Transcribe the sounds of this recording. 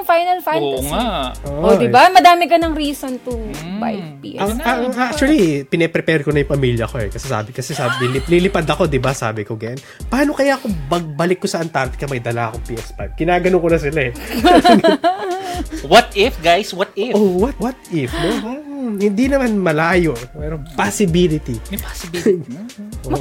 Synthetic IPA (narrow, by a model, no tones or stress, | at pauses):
ŋfajnɐlfajoŋaʔoʔod̪ɪbamɐd̪aːmɪkɐnɐŋɾiːsont̪ʊba̰jfpḭʔɐɐŋak̚t͡ʃʊɐlipɪnɛpɾɛpɛɾkonɐjʊ̃ŋpɐmiljɐɐko̞ɛkɐsɛsa̰ːbɪkɐsɛsabilɪlilɪpad̪ɐko̞d̪ɪbasa̰ːbɪkoɡɐjon | paːno̞kɐjaɐkobɐɡ̚bɐlɪkːosɐʔɐnt̪aɾt̪ɪ̥kɐmɐjd̪ɐlaʔɐkoŋpiːʔɛspajb̪̚ɡɪnaːɡɐnoŋkonɐs̬ɪlaɛ | wɐt̪ɪfɡajswɐt̪ɪowɐt̪̚wɐt̪̚ɪfnohɪnd̪inɐmanmɐlaːjo̞ʔmɛɾopasɪbilɪt̪ipa | ʔo